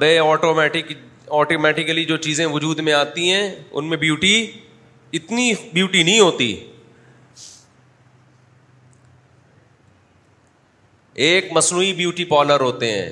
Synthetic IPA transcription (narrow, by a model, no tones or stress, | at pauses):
beɔːʈoːmɛːʈɪkɔːʈoːmɛːʈɪkəlid͡ʒoːt͡ʃiːzẽʋʊd͡ʒuːd̪mẽaːt̪iɦɛ̃ːʊ̰nmẽbjuːʈi | ɪt̪nibjuːʈinɐɦĩɦoːt̪ḭ | eːkmɐsnuːibjuːʈipɔːləɾɦoːt̪eɦɛ̰̃ː